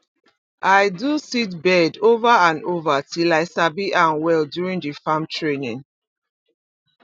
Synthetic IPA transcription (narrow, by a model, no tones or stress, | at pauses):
ʔaɪdusit̚bɛdovaãnovatʰilaɪsabiʔãnwɛldjuɹĩŋdifãmtʰɹenĩŋ